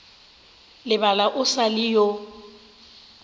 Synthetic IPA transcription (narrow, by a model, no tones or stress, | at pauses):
lɪbalaʔʊsalɪjo